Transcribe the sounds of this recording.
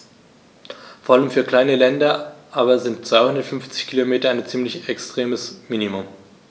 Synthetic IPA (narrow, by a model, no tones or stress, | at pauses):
foɐʔaləmfyːɐkl̥aɪnəlɛndɐʔaːbɐzɪntt͡sv̥aɪhʊndɐtfʏnft͡sɪ̥çkʰilomeːtɐaɪnt͡siːmlɪçɛkstʁ̥eːməsmiːnimʊm